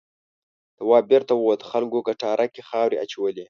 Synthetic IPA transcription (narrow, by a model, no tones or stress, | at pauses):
d̪̥awɑbeɾt̪awod̪əxalɡokaʈɑɾʔakexɑwɾḛʔa̰t͡ʃawəli